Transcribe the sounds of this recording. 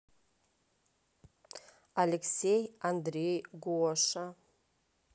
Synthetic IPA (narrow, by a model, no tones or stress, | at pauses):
aleksejand̪rejɡʷuɔʂa